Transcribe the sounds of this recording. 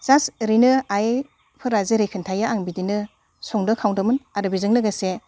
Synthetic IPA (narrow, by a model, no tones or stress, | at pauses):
zasɾinɯaj | pʰɯɾazeɾejkʰɯntʰajaʔaŋbidinɯ | sɔŋdɯkʰawdɯmɯnaɾɯbizɯŋnɯɡɯse